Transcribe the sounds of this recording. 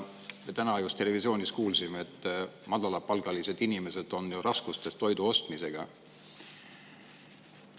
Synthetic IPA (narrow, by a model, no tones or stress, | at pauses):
met̪ænɑjust̪ːe̞le̞visio̞ːnʲiskuːlsimeet̪ːˑmɑd̪̥ɑlɑpɑlɡ̥ɑlise̞d̪̥inime̞se̞d̪̥o̞njurɑskust̪e̞st̪ːo̞jd̪uo̞st̪mise̞ɡ̥ɑ̰